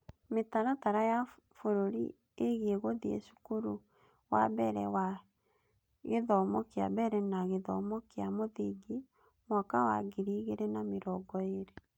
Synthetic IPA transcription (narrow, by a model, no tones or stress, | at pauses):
metaɾataɾaja | foɾoɾḭ | eɣeɣoðiḛʃu̥kuɾu | wa̰bɛɾɛwa | ɣeðɔmɔkea̰bɛɾɛnaɣeðɔ̰mɔkeamoðiɡi | mɔkawa̰ɡiɾiɣeɾɛnameɾɔɡɔeɾe